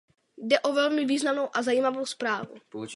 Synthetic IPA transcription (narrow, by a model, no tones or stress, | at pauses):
dɛʔovɛlmɪviːznamno̞wʔazajiːmavo̞wspɾaːvṵ